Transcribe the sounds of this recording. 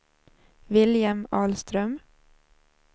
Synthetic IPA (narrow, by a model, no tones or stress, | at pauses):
vɪljamɑːlst̪ɾœm